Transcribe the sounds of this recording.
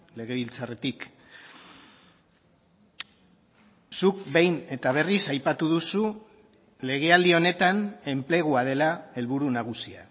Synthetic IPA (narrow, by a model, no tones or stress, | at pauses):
le̞ɣ̞e̞βilt͡sare̞t̪ik | sukbe̞jne̞t̪aβ̞e̞risajpat̪uðusu | le̞ɣ̞e̞ald̪io̞ne̞t̪ane̞mple̞ɣ̞uað̞e̞lae̞lβuɾunaɣ̞usia̰